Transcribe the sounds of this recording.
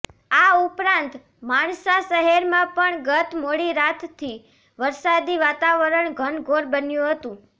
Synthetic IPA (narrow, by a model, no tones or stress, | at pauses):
aupɾãnt̪ | maɳsaʃəɦɛɾmãpəɳɡət̪moɽiɾat̪ʰt̪ʰːi | ʋəɾsad̪iʋat̪aʋəɾəɳɡʱəɳɡʱoɾbənjũɦət̪ũ